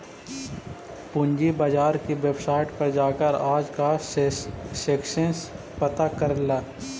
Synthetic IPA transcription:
pʊɲd͡ʒibaːd͡ʒaːɾkiweːbsaːɪʈpɐɾd͡ʒaːkəɾaːd͡ʒka | seːkʃəns | pɐt̪akɐɾlaː

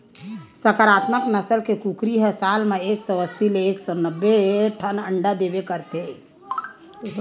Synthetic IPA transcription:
səkəɾaːt̪məknəsəlkekukɾiɦɛsalmeeksɔəsileːksɔnəbːeʈʰənəɳɖad̪ebekəɾt̪e

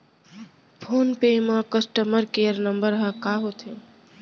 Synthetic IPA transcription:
pʰoːnpemãkəsʈəməɾkeːəɾnəmbəɾɦakaɦot̪ʰe

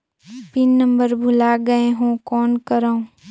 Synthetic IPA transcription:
pɪnːə̃mbəɾbʱʊlaɡɐeɦõkɔːnkəɾaːũ

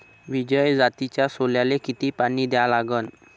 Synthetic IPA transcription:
ʋid͡ʑəjd͡zat̪it͡ɕjasoljalekit̪iːpañiːd̪jalaɡən

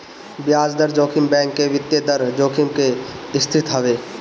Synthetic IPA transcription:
bjaːd͡ʒd̪əɾd͡ʒoːkʰɪmbɛ̃ːŋkːeʋɪt̪jed̪əɾd͡ʒoːkʰɪmkeɪst̪ʰɪt̪ɦɐʋeː

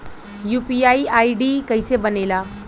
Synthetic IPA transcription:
jupiaiaiɖikəjsebənela

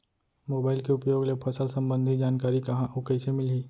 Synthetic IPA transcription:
moːbaːɪlkeʊpjoːɡlepʰɐsəlsɐ̃mbə̃nd̪ʱid͡ʒaːnkaːɾikɐɦãʔokɐɪsemɪlɦiː

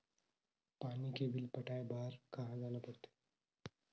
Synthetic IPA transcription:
paːnikebɪlpɐʈaːebaːɾkɐɦãd͡ʒaːlapɐɽt̪e̥

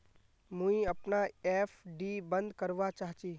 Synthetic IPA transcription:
mũĩɐpnaefɖiːbə̃nd̪kəɾʋat͡ʃaːɦt͡ʃi

